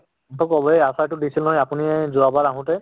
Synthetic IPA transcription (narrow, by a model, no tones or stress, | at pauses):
ŋkʰɔkɔbɔejasajtʊdisilnɔjapuniɛzuabaɹaɦʊ̃tɛ